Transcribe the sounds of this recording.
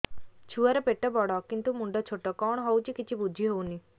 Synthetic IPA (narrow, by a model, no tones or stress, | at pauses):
t͡ʃʰuaɾepeʈɔbɔɽɔkint̪umuɳɖɔt͡ʃʰoʈɔkɔɳ̃ɦɔut͡ʃʰikit͡ʃʰibud͡ʒʱiɦowni